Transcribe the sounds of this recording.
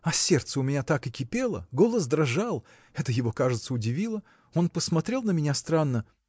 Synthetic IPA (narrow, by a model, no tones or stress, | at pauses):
ɐsʲert̪səʊmʲɪnʲat̪akɨkʲɪpʲe̞lˠə̰ɡo̞lˠəsd̪ɾɐʐalˠ | ɛt̪əjɪvo̞kaʐɨt̪səʊdʲɪvʲilˠə | o̞npəsmɐt̪ɾʲe̞lˠnəmʲɪnʲast̪ɾanːə